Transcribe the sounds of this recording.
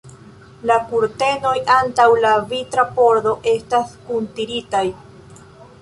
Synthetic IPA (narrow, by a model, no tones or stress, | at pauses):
lakuɾte̞no̞jantawlavitɾapo̞ɾd̪o̞ʔe̞staskuntiɾitaj